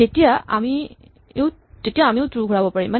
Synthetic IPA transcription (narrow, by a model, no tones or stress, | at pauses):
etijaa̰mi | ew | tetijaːmiewtɹuɡʱuɹabɔpaɹiman